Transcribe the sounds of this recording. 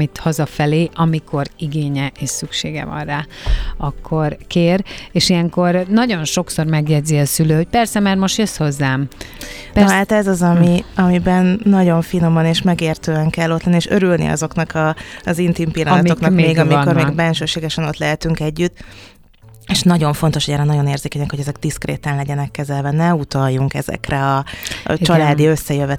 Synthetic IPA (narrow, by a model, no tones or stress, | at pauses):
it̪hɒzɒfɛleːʔɒmikʰo̞riɡeːɲɛʔeːʃsykʃeːɡɛ̰vɒ̰nraːɒkʰːo̞rkeːreːʃijɛŋko̞rnɒɟo̞nʃo̞kso̞rmɛɡjɛdziɒsyløːho̞c̚pɛrsɛmaːrmo̞ʃt̪jøsho̞zːaːm | pat̪ɛzɒzɒmiɒmibɛnːɒɟo̞ɱfino̞mɒneːʃmɛɡeːrt̪øːɛŋkɛlːo̞t̪lɛnieːʃøɾylnḭɒ̰zo̞knɒkʰɒzint̪impilːɒnɒt̪oknɒkmeːɡɒmiko̞rmeɡbɛnʃøːʃeːɡɛʃɛno̞t̪lɛɦɛt̪yŋkɛɟːyt̪ː | eʃnɒɟo̞ɱfo̞n̪t̪oʃhoɟɛːɾɛnɒɟo̞neːrzeːkɛjɛnɛkho̞ɟɛzɛɡd̪iskrḛːt̪ɛnlɛɟɛnɛkːɛzɛlvɛnɛut̪ɒjːuŋkɛ̰zɛ̰krɛɒ̰t͡ʃɒlaːd̪iø̞sːɛjøvɛ